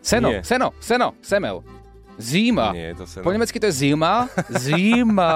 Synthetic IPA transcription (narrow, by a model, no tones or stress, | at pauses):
sɛnoɛsɛno̰sɛno̰sɛmɛ̰l | zima̰ɛ̰t̪poɲɛmɛt͡skɪt̪ojɛzɪmazima